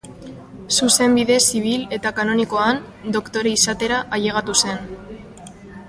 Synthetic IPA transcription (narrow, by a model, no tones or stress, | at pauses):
suse̞mbiðe̞siβ̞ile̞t̪akano̞niko̞an | d̪o̞kt̪o̞ɾeisat̪e̞ɾaʔaʎe̞ɣ̞at̪use̞n